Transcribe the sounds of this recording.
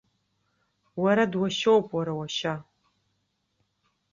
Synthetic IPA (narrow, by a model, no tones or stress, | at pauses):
waɾadwaʃowpʼwaɾawaʃa